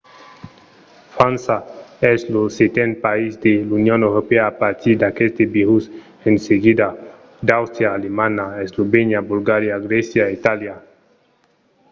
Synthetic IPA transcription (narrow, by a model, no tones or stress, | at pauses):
fansaɛzloset̪enpaizd̪elunjonewɾopeaːpaɾt̪ʰid̪akest̪ebiɾus | enseɡid̪a | d̪awst̪ɾjaːlemãnaezloβeɲjabulɡaɾjaɡɾesjait̪alja